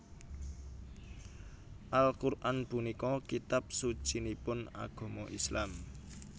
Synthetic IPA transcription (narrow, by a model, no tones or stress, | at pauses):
ʔalkurʔanb̥ṳnikɔkit̪ap̚su̥t͡ʃinipʊna̰ɡ̥ɔ̤mɔʔislam